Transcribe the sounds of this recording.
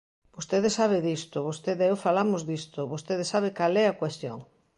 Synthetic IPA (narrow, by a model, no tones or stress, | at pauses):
b̥ost̪eðesaβeðist̪oβost̪eðewfalamozðist̪oβost̪eðesaβekalɛakwest̪jo̰ŋ